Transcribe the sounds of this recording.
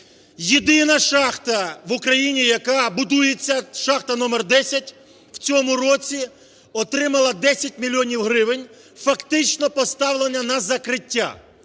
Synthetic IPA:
jid̪ɪnɐʃɑxt̪ɐʋʊkɾɐjinʲijɐkɑbʊd̪ujet͡sʲːɐʃɑxt̪ɐnɔmɛrd̪ɛsʲɐtʲ | wt͡sʲɔmʊrɔt͡sʲi | ɔt̪ɾɪmɐlˠɐd̪ɛsʲɐt̚ʲmʲilʲiɔnʲiwɦɾɪʋɪnʲ | fɐkt̪ɪt͡ʃnɔpɔst̪ɑwlˠenʲːɐnɐzɐkɾɪtʲːa̰

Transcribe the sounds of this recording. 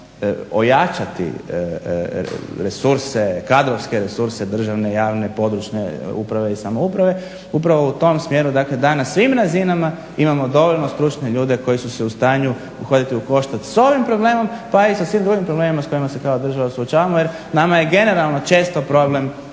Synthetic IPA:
o̞jat͡ʃat̪ḭ | ɾesuɾse̞kad̪ɾoʋskeɾesuɾse̞d̪r̩ʒaʋne̞jaːʋne̞po̞d̪ɾut͡ʃnḛṵpɾaʋe̞isamo̞upɾaʋe̞ | upɾaʋo̞ut̪o̞msmjeːɾud̪akle̞d̪anasʋimɾazinama | imamo̞d̪o̞ʋo̞ʎno̞st̪ɾut͡ʃne̞ʎuːd̪e̞ko̞jisuseust̪aːɲu | uxo̞d̪it̪iuko̞ʃt̪at̪so̞ʋimpɾo̞ble̞ːmo̞mpaisasʋiːmd̪ɾuɡimpɾoble̞ːmimasko̞jimase̞kaod̪r̩ʒaʋasuot͡ʃaːʋamoje̞ɾ | namaje̞ɡe̞ne̞ɾalˠno̞t͡ʃe̞ːst̪o̞pɾo̞ble̞m

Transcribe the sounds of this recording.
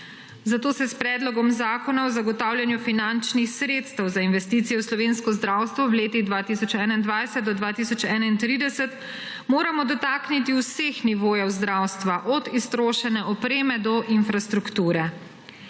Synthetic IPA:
zat̪oːsɛspɾɛːd̪lɔɡɔmzaːkɔnaɔzaɡɔt̪aːwljanjufinant͡ʃnixsɾeːt̪st̪ɛwzainʋɛst̪iːt̪sijɛwslɔʋeːnskɔzd̪ɾaːwst̪ʋɔwleːt̪iɣd̪ʋaːt̪isɔt͡ʃɛːnaind̪ʋajsɛt̪̚d̪ɔd̪ʋaːt̪isɔt͡ʃɛːnaint̪ɾiːd̪ɛsɛt̪ | moːɾamɔd̪ɔt̪aknit̪iwsexniʋoːjɛwzd̪ɾawst̪ʋaʔɔd̪ist̪ɾoːʃɛnɛɔpɾeːmɛd̪ɔʔinfɾast̪ɾukt̪uːɾɛ

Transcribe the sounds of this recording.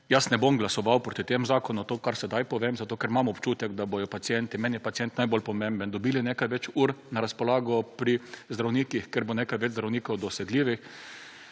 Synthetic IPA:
jasnɛbomɡlasɔʋawpɾoːt̪it̪emzaːkɔnʊt̪oːkaɾsɛd̪ajpɔʋemzat̪oːkɛɾmamɔpt͡ʃuːt̪ɛɡd̪abojɔpat̪sjɛnt̪imɛnjɛpat̪t͡ssijɛnt̪najbolpɔmẽmbənd̪ɔbiːlinekajʋɛt͡ʃuːɾnaɾaspɔlaːɡɔpɾizd̪ɾawniːkixkɛɾbɔnekajʋɛd͡ʒzd̪ɾawniːkɔwd̪ɔsɛɡliːʋix

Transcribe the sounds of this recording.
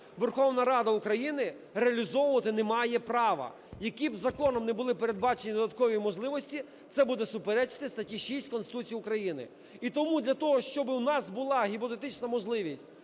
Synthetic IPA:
ʋerxɔʋnɐɾɑd̪ɐukɾɐjinɪ | ɾeɐlʲizɔwʊʋɐt̪ɪnemɑjɛpɾɑʋɐ̰ | jɐkibzɐkɔnɔmnɛbʊlˠɪpeɾed̪̚bɑt͡ʃenʲid̪ɔd̪ɐt̪̚kɔʋʲijmɔʒlˠɪʋɔsʲtʲi | t̪sɛbud̪ɛsʊpeɾɛt͡ʃɪ̥t̪ɪst̪ɐtʲiʃisʲtʲkɔnst̪ɪt̪ut͡sʲijʊkɾɐjinɪ̰ | it̪ɔmud̪ʲlʲɐt̪ɔɦɔʃt͡ʃɔbɪwnɑsbʊlˠɑɦʲipɔt̪et̪ɪt͡ʃnɐmɔʒlˠɪʋʲisʲtʲ

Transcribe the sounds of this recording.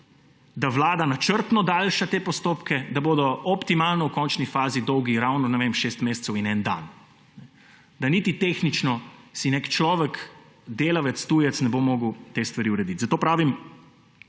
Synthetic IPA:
d̪aʋlaːd̪anat͡ʃəɾt̪nɔd̪aːlʃat̪eːpɔst̪oːpkɛd̪aboːd̪ɔʔɔpt̪imalnɔwkɔnt͡ʃnifaːzid̪ɔwɡiɾawnɔnɛʋemʃeːst̪meːst̪sɛwinɛnd̪a̰n | nɛ | d̪anit̪it̪eːxnit͡ʃnɔsinekt͡ʃlɔːʋɛk | d̪eːlaʋɛt̪st̪ujɛt̪snɛbomoːɡəwt̪eːst̪ʋaɾiuɾɛd̪it̪zɐt̪oːpɾaːʋim

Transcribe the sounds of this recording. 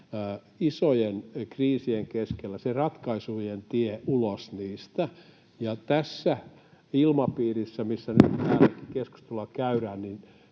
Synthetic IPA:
isojenkriːsieŋkeskelːæserɑt̪kɑisujent̪ieʔulosniːst̪æ | jɑt̪æsːæ | ilmɑpiːrisːæmisːænyt̪t̪æːlːækikesku̥st̪elːɑkæyræːnnin

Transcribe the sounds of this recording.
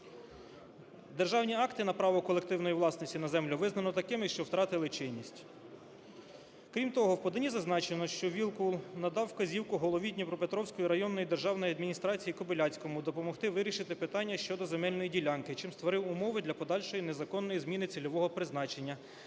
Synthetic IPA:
d̪erʒɑwnʲiɑkt̪ɪnɐpɾɑʋɔkɔlˠekt̪ɪwnɔjiʋlˠɑsnɔsʲtʲinɐzɛmlʲʊʋɪznɐnɔt̪ɐkɪmɪʃt͡ʃɔwt̪ɾɑt̪ɪlˠɪt͡ʃɪnʲːisʲtʲ | kɾʲimt̪ɔɦɔwpɔd̪ɐnʲizɐznɑt͡ʃenɔʃt͡ʃɔʋʲilˠkulˠnɐd̪ɑwːkɐzʲiwkʊɦɔlˠɔʋʲid̪ʲnʲipɾɔpet̪ɾɔwsʲkɔjiɾɐjɔnːɔjid̪e̞rʒɑwnɔjiɐd̪mʲinʲist̪ɾɑt͡sʲijikɔbɪlʲɑt͡sʲkɔmʊd̪ɔpɔmɔxt̪ɪʋɪɾʲiʃɪt̪ɪpɪt̪ɑnʲːɐʃt͡ʃɔd̪ɔzemɛlʲnɔjidʲilʲɑnkɪt͡ʃɪmst̪ʋɔɾɪwʊmɔʋɪd̪lʲɐpɔd̪ɑlʲʃɔjinezɐkɔnːɔjizmʲinɪt͡s̪ʲilʲɔʋɔɦɔpɾɪznɑt͡ʃe̞nʲːɐ

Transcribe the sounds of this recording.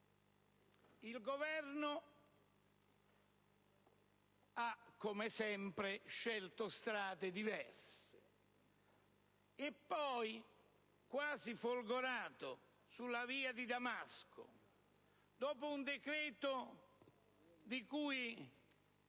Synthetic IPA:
ilɡovɛrno | akːomɪsɛmpɾɪʃɛlt̪ost̪ɾaːt̪ed̪ivɛrsɪ̥ | epːɔj | kwaːzifolɡoɾaːt̪o | sulːaviːad̪id̪amaskʰʊ̰ | d̪ɔːpʊund̪ekɾɛːt̪o | d̪ikuːj

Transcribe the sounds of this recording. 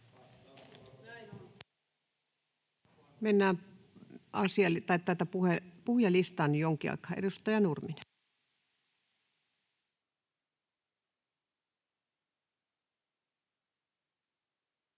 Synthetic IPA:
menːæːm | ʔɑsiɑlit̪ɑit̪ːɑt̪ɑpuhepuhjɑlist̪ɑːnːijoŋkiɑ̰ikˑɑːʔedust̪ɑjɑnurmin

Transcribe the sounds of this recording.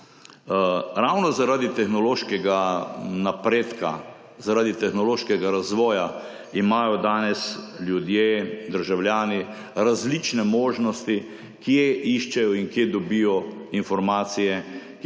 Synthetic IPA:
ɾawnɔzaɾaːd̪it̪ɛxnɔloːʃkɛɡanapɾeːt̪ka̰ | zaɾaːd̪it̪ɛxnɔloːʃkɛɡaɾazʋɔːja | imaːjɔd̪aːnɛsljud̪jed̪əɾʒawljaːni | ɾazlit͡ʃnɛmoːʒnɔst̪i | kjeiʃt͡ʃɛjɔinkjed̪ɔbijɔinfɔɾmaːt̪sijɛ

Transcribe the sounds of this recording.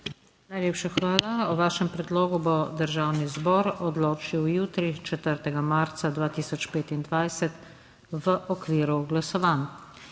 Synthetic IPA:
najleːpʃaxʋaːlaɔʋaːʃɛmpɾɛd̪loːɡubɔd̪əɾʒaːwnizbɔːɾɔd̪loːt͡ʃiwjuːt̪ɾit͡ʃɛt̪əɾt̪ɛɡamaɾt̪sad̪ʋaːt̪iːsɔt͡ʃpeːt̪ind̪ʋajsɛt̪ | ʋəʔɔkʋiːɾuɡlasɔʋaːn

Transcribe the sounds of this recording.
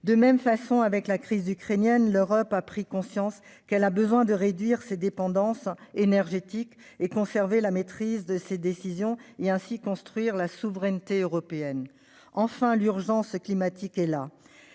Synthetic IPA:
d̪əmɛmfasɔ̃avɛklakχizykχenjɛnløʁɔpapχikɔ̃sjɑ̃s | kɛlabəzwɛ̃d̪əʁed̪ɥiʁsed̪epɑ̃d̪ɑ̃senɛʁʒet̪ik | ekɔ̃sɛʁvelamet̪χizd̪əsed̪esizjɔ̃eɛ̃sikɔ̃st̪χɥiʁlasuvʁɛnt̪eøʁɔpeɛn | ɑ̃fɛ̃lyʁʒɑ̃sklimat̪ikɛla

